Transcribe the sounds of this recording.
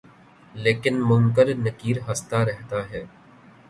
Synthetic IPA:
leːkɪnmʊ̃ŋk̬əlnɐkiːɾɦɐst̪aɾɛɦt̪aɦɛː

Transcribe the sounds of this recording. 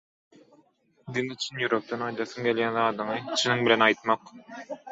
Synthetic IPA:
d̪init͡ʃʰinjuɾop̚t̪ɑnɑjd̪ɑθɯŋɡelʲjænðɑːd̪ɯɴɯt͡ʃʰinɯŋbilʲenɑjt̪mɑq

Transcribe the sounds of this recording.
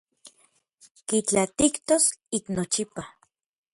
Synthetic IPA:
kit͡ɬat̪ikt̪osiknot͡ʃipa

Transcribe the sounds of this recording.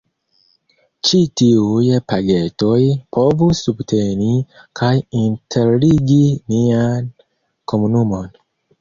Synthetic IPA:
t͡ʃitiujepaɡetojpʰo̞vusubtʰeni | kʰajintʰeɾliɡinian | komunumo̞n

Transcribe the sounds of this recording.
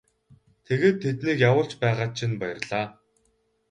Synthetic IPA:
t̪ʰeɣeːt̪ʰːet̪niːkjawʊːɬt͡ɕpæːʁaːt͡ɕʰinpajɪ̆rɮaː

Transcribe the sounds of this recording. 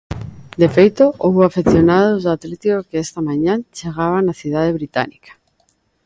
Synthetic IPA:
d̪efejt̪oʔowafeθjonað̞ozat̪let̪ikokeest̪amãɲãnt͡ʃeɣ̞aβ̞anaθið̞aðeβɾit̪a̰nikḁ

